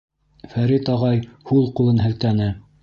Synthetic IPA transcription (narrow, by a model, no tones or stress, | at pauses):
fæɾit̪ɑʁɑjhulˠqulˠɤnɦɘ̆lt̪ænɘ